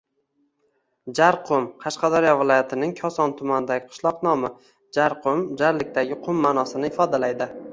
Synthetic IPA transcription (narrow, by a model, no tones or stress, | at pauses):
d͡ʒaɾqʰʊmqʰɑʃqɑd̪ɒɾijɒvɪlɒjat̪ʰɪnɪŋkʲʰɒsɒnt̪ʰʊmanɪd̪aɡʲɪqʰɨ̥ʃlˠɒqnɒmɪ | d͡ʒaɾqʰʊmd͡ʒaɾlɪk̚ʲt̪aɡʲɪqʰʊmːanɒsɪnɪɪfɒd̪alajd̪ɪ